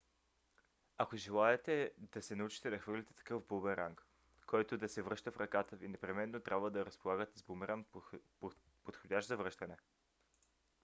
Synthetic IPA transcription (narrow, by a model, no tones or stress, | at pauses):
akoʒɛlˠaɛt̪ɛd̪ɐsɛnɐut͡ʃi̥t̪ɛd̪ɐxvɤɾlʲit̪ɛ̥t̪ɐ̥kɤfbobɛnɾaŋk | kɔjt̪od̪ɐsɛvɾɤʃt̪əfɾɐkat̪əvinɛpɾɛmɛnːot̪ɾʲʔabvəd̪ɐɾəspolˠaɡət̪ɛzbomɛɾən | pot̪xodʲaʃzɐvɾɤʃt̪ənɛ